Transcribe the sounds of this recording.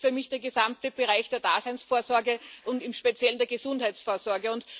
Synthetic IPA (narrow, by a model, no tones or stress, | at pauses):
fyːɐmɪçd̥eːɐɡəzamtəb̥əʁaɪçd̥eːɐd̥a̰ːzæɪnsfoːɐzɔɐɡəʔʊntɪmʃpet͡sjɛləndeːɐɡəzʊ̃nthæɪt͡sfoːɐzɔɐɡəʊnt